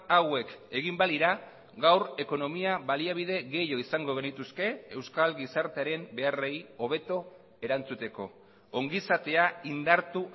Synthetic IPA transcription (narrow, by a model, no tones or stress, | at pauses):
awe̞ke̞ɣimbaðiɾa | ɣawre̞ko̞no̞miaβaliaβ̞iðe̞ɣe̞jo̞isaŋɡo̞ɣ̞e̞nit̪uske̞e̞wskalɡisaɾt̪eaɾe̞mbe̞are̞jo̞β̞e̞t̪o̞ | e̞ɾant͡sut̪e̞ko̞ː | ŋɡisat̪e̞aind̪aɾt̪u